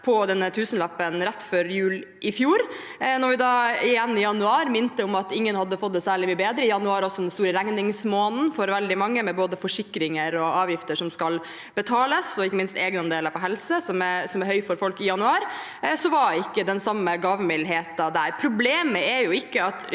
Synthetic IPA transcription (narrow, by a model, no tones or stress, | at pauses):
pʰɔd̪ɛnːət̪ʰʉːsənlɑpːənɾɛt̪ːfɔɾjʉːl | ʔɪfjuːɾ | nɔɾʋɪd̪ɑːɪjɛnːɪjɑnʉɑːɾmɪnt̪əʊmɑt̪ɪŋːənhɑd̪ːəfɔt̪ːɛsæːɭɪmyːəbeːd̪ɾəɪjɑnʉɑːɾɔsːɔd̪ɛnst̪uːɾəɾæŋnɪŋsmoːnn̩fɔɾʋɛld̪ɪmɑŋːəmɛboːd̪əfɔʂɪkːɾɪŋəɾɔɑːʋjɪft̪əʂɔmskɑl | bət̪ʰɑːləsɔɪkːəmɪnst̪eːɡnɑnd̪eːləɾpʰɔɦɛlsəsɔmɛsɔmæɾhœʏfɔɾfɔlkɪjɑnʉɑːɾ | sɔʋɑɪkːəd̪ɛnsɑmːəɡɑːʋmɪlɦeːt̪ɑd̪æɾpʰɾʊbleːməɛɾjʊɪkːəɑt̪